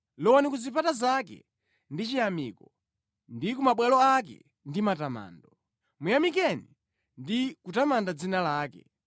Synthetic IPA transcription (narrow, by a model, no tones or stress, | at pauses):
lɔwɔnikuzipatazakɛ̰ | ndit͡ʃijamḭːkɔ | ndikumaɓwɛlɔak̬ɛ̰ | ndimatama̰ːndɔ | mujamik̬ɛni | ndikutamandad͡zinalaːkɛ̰